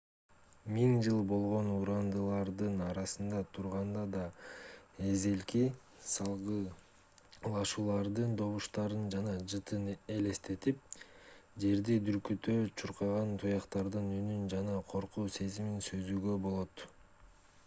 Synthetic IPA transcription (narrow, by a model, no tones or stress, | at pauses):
miŋd͡ʒɯlˠbo̞lˠʁo̞nuɾɑnd̪ɯlˠɑɾd̪ɯnɑɾɑsɯnd̪ɑt̪ʰuɾʁɑnd̪ɑd̪ɑ | e̞ze̞lki | sɑlˠʁɯ | lˠɑʃuːlˠɑɾd̪ɯnd̪o̞βuʃt̪ɑɾɯnd͡ʒɑnɑd͡ʒɯt̪ɯne̞le̞st̪e̞t̪ip̚ | d͡ʒe̞ɾd̪id̪yɾkyt̪øt͡ʃʰuɾqɑʁɑnt̪ʰujɑqt̪ɑɾd̪ɯnynynd͡ʒɑnɑqʰo̞ɾquːse̞ziminsø̞zyɡø̞bo̞lˠo̞t̪